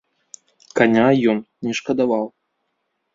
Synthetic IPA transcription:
kanʲajɔn | nʲɛʂkɐd̪avaw̪ˠ

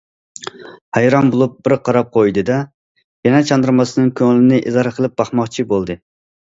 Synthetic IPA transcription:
hæjɾɑmbolˠup̚bɪɾqʰɑɾɑp̚qʰojd̪ɨd̪ɛ | jɛnɛt͡ʃʰɑnd̪ɨɾmɑsɨnɨŋkʲʰøŋlɪnɪʔizɑɾɨqʰəlˠɨp̚b̥ɑχmɑχt͡ʃʰibolˠd̪ɨ

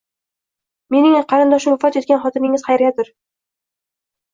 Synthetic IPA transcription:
me̞nɪŋqʰɑɾɪnd̪ɒʃɪmafɒt̪jet̪̚ɡʲanχɒt̪ɪmɪŋɪz̥χɑjɾjad̪ɪɾ

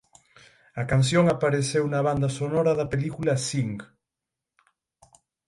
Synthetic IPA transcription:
akans̬joŋapaɾesewnaβ̞and̪asonoɾaðapelikulasiŋk

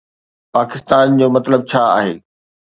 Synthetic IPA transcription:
paːkɪst̪aːnd͡ʑoːmɐt̪ləb̚t͡ɕʰaːa̰ːɦḛː

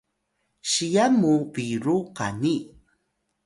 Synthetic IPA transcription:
ɕijamuviɾuqa̰ni

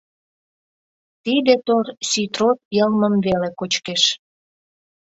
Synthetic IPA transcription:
t̪id̪et̪orsyt̪rot̪̚jəlməmvelekot͡ɕkeʃ

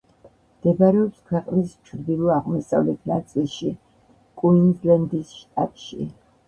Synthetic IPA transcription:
md̪̥ɛbaɾɛɔpskʰwɛqʼnist͡ʃʰɾd̪ilˠɔaʁmɔsa̰vlɛt̪ʰnat̪sʼilˠʃi | kʼuind̪lɛnd̪isʃt̪ʼa̰t̪ʼʃḭ

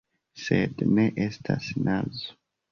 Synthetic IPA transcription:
sedneʔestʰasinazo

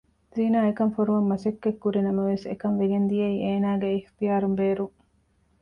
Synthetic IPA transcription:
ziːnaːekɐmfoɾuʋɐmːɐsɐkːekːuɾinɐmɐʋesekɐnʋeɡend̪ijɐiːʔeːnaːɡeːxt̪ijaːɾumbeːɾuŋ

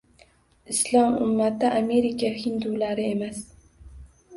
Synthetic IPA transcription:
ɪslˠɒmʊ̰mːat̪ɪʔame̞ɾɪkʰʲahɪnd̪ulaɾɪe̞mas

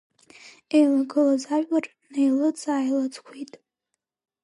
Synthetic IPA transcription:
ejlaɡɨlazaʒᶣʼar | nejlɨt͡sʼaːjlat͡sʼkʷʰitʼ

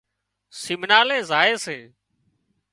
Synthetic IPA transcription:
sɪmnaːleːzaːeːsẽː

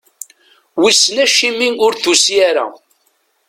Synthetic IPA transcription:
wisːnæʃimiʊɾθusiaɾæ̰

